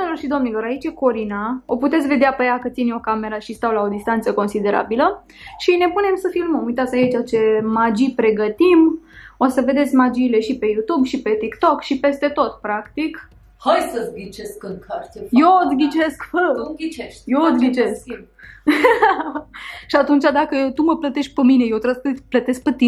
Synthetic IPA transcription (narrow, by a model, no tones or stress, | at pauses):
nelorʃid̪o̞mnilo̞ɾait͡ʃeko̞ɾinao̞put̪e̞t̪sʲve̞d̪eapəjakət̪sinʲo̞kame̞ɾaʃist̪awlao̞d̪ist̪ant̪səko̞nsid̪e̞ɾa̰bilə | ʃine̞pune̞msəfilməmujt̪at̪sʲajit͡ʃat͡ʃe̞mad͡ʒipɾe̞ɡət̪imo̞səve̞d̪e̞t̪sʲmad͡ʒiːle̞ʃipe̞jut̪ubʃipe̞t̪ikt̪o̞kʃipe̞st̪e̞t̪o̞t̪pɾakt̪ik | hajsəɡʲit͡ʃeskɨŋkʰaɾejot̪ɡʲit͡ʃeskəɡʲit͡ʃeʃjot̪ɡʲit͡ʃe̞sk | ʃiat̪unt͡ʃad̪akət̪uməplət̪eʃk̚pəmine̞jewt̪ɾəsplət̪e̞sk̚pət̪i